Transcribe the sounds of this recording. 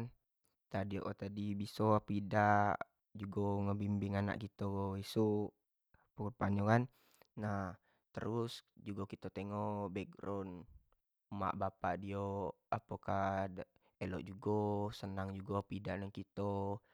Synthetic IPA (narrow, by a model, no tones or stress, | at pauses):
n | t̪adioʔot̪adibisopidaʔ | d͡ʒuɡoŋəbimbɪŋana̰ʔkit̪ooisu | pəkupaɲokanː | ah | t̪ə̰ɾusd͡ʒuɡokit̪ot̪eŋɔbɛɡɾɔn | ma̰ʔbapaʔdio | apəka | elɔ̰ʔd͡ʒuɡosənaŋd͡ʒuɡopidaʔnaŋkit̪o